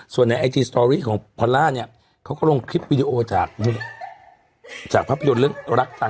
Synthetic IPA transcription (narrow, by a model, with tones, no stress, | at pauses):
su˨˩ənːa˧jʔa˧jtiː˧st̪ɔː˧ɾiː˥˩kʰɔː˩˦pʰɔ˧nlaː˥˩ni˥˩ɐ | kʰa˦˥kɔː˥˩lo˧ŋkʰɾi˦˥p̚wiː˧di˧ʔoː˧t͡ɕaː˨˩k̚ | t͡ɕaː˨˩k̚pʰaː˦˥˩pʰa˧jo˧nlɯ˥˩əŋɾa˦˥k̚t͡ɕa˧